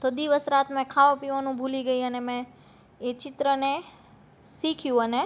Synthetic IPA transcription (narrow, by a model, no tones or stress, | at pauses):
t̪od̪iʋəsɾat̪mɛ̃kʰaʋə̃piʋanũbʱuliɡəiənemɛ̃ː | t͡ʃɪt̪ɾəne | sikʰjũəne